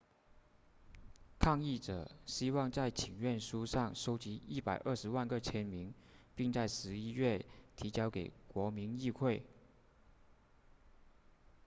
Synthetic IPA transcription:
kʰɑ˥˧ŋi˥˩ʈ͡ʂɤ̰˨˩ɕi˥wɑ˥˧ŋt͡sa˥˩ɪt͡ɕʰi˨˩ŋɥɛ˥˩nʂu˥ʂɑ˥˩ŋʂo˥ʊt͡ɕi˧˥i˥˩pa˨˩ɪʔə˥˩ʂɻ̩˧˥wa˥˧nkə˥˧t͡ɕʰjɛ˥nmi˧˥ŋpi˥˧ŋt͡sa˥˩ɪʂɻ̩˧˥i˥ɥɛ˥˩t̪ʰi˧˥t͡ɕjɑ˥ʊke˨˩ɪkwɔ˧˥mi˧˥ŋi˥˧kʰwe˥˩ɪ

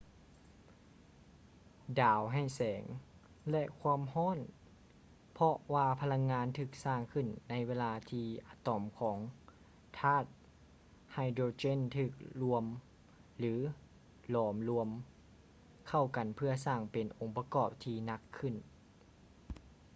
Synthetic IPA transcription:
daː˨˦wɦa˧˩jsɛː˨˩˦ŋ | lɛ˧ʔkʰwaː˧əmɦɔː˧˥˨n | pʰɔ˧waː˧pʰa˧la˧ŋːaː˧˥nt̪ʰɯː˧˩k̚saː˧˩ŋkʰɯ˧˩nːa˧˥jweː˧laː˧t̪ʰiː˧ʔa˧˩t̪ɔ˨˩mkʰɔː˩˦ŋ | t̪ʰaː˧˥˩t̪̚ | ha˧˩jdɾoː˧t͡ɕe˧˥˨nt̪ʰɯː˧˩k̚lu˧əm | lɯː˨˦ | lɔː˨˩˦mlu˧əm | kʰa˧˩wka˨npʰɯ˧ɐsaː˧˩ŋpe˨nʔo˨˦ŋpa˧kɔː˧˩p̚t̪ʰiː˧na˧kʰːɯ˧˩n

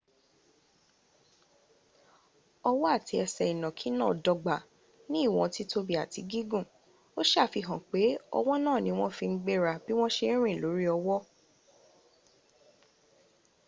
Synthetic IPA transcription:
ɔ˧wɔ˦a˦˨tʰi˧˦ɛ˧sɛ˨i˨nɔ̃˨kʰi˨˦nãː˦˨dɔ˧ɡ͡ba˨ | nĩ˦˨w̃ɔ̃˧ti˦to˧bi˨a˨ti˨˧ɡi˦ɡũ˦˨ | o˦ʃa˦˨fi˧ɦã˨k͡pe˨˦ɔ̰˧w̃ɔ̃˦nãː˦˨nĩ˨˦w̃ɔ̃˦fĩ˧n̩˦ɡ͡be˦ɾa˧˨b̥i˦w̃ɔ̃˦ʃe˧˦ɾ̃ĩ˦˨lo˨˦ɾi˦ɔ˧wɔ˦

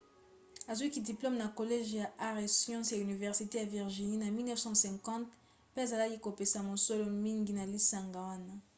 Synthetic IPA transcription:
a˨zwi˦ki˨di˨plɔ˦mna˨ko˨lɛ˦ʒja˨ʔa˦ʁe˨sjɑ̃˦sja˨y˨ni˨vɛ˨ʁsi˨te˦a˨vi˨ʁʒi˨ni˦na˨mi˦lnɛ˦fsɑ̃˦sɛ̃˨ŋkɑ̃˦t | pɛ˦e˨za˨la˦ki˦ko˨pe˨sa˨mo˨so˦lo˦mi˦ŋɡi˦na˨li˦sa˨ŋɡa˨wa˦na˦

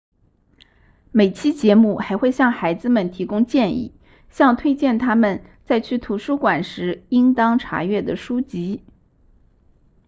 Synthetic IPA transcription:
me˨˩ɪt͡ɕʰi˥t͡ɕjɛ˧˥mu˥˩xa˧˥ɪxwe˥˧ɪɕjɑ˥˩ŋxa˧˥ɪd͡zɹ̩˧mə˨˩nt̪ʰi˧˥kʊ˥ŋt͡ɕjɛ˥˧nḭ˥˩ | ɕjɑ˥˧ŋt̪ʰwe˥ɪt͡ɕjɛ˥˩nt̪ʰa˥mə˨n | t͡sa˥˧ɪt͡ɕʰy˥˩t̪ʰu˧˥ʂu˥kwa˨˩nʂɻ̩˧˥i˥ŋt̪ɑ˥ŋʈ͡ʂʰa̰˧˥ɥɛ˥˩d̪ə˩ʂu˥t͡ɕi˧˥

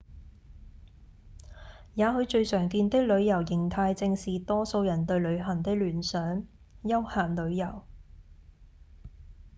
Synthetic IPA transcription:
jaː˨˧ɦɵ˨˧ɥt͡ʃɵ˧ɥsœː˨˩ŋkiː˧nt̪ɪ˥k̚lɵ˨˧ɥjɐ˨˩wjɪ˨˩ŋt̪ʰaː˧jt͡sɪ˧ŋsiː˨˩t̪ɔː˥so˧wjɐ˨˩nt̪ɵ˧ɥlɵ˨˧ɥɦɐ˨˩ŋt̪ɪ˥k̚lyː˨˩nsœː˨˥ŋ | jɐ˥whaː˨˩nlɵ˨˧ɥjɐ˨˩w

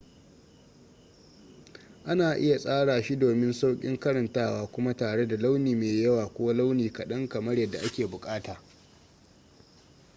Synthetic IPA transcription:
ʔa˦naː˨ʔɪ˦ja˨sʼaː˦ɽaː˨ʃi˦doː˨mɪ˦nsa˦wkʲʼɪ̰˦ŋkɐ˦ɾɐ˨ntaː˦waː˦kʷʊ˦ma˦taː˨ɽe˦da˨la˦wniː˨meː˨jɐ˦waː˨kʷoː˦la˦wniː˨kɐ˨ɗɐ˦ŋkɐ˨mɐ˦ɽjɐ˦˨dːa˨ʔa˦kʲeː˨bʊ˨kʼaː˦taː˨

